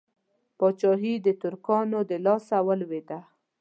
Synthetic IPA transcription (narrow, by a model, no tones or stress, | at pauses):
pɑt͡ʃɑɦid̪ət̪ʊɾkɑnod̪əlɑsawəlwed̪a